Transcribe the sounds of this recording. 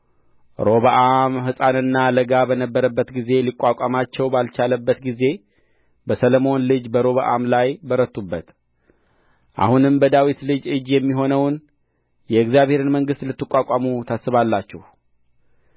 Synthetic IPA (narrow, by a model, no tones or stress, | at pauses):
ɾo̞βaʔamhɨsʼanɨnːaləɡabənəbːəɾəbːət̪ɡize̞likʼːakʼamat͡ʃːɛwbalt͡ʃaləbːət̪ɡize̞ | bəsələmo̞nlɨd͡ʒbəɾo̞βəʔa̰mlajbəɾət̪ʰʼːubːət̪ | ʔa̰hunɨmbəd̪awit̪lɨd͡ʒɨd͡ʒjɛmːiɦo̞nəwn | jɛɨkzjaβhe̞ɾɨnməŋɡɨst̪lɨt̪ːɨkʼakʼamut̪ʰasːɨβalːat͡ʃːɛh